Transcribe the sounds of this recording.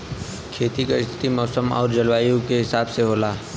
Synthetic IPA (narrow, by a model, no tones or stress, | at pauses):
kʰeːt̪ikaɪst̪ʰɪ̥t̪imɔːsəmɔ̰ːɾd͡ʒɐlwaːjũkeɦɪsaːbseɦoːlaː